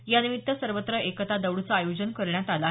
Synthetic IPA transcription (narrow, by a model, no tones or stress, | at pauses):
janimit̪ːəsəɾʋət̪ɾəʔekət̪ad̪əʋɽut͡səajod͡ʑənkəɾɳjat̪ala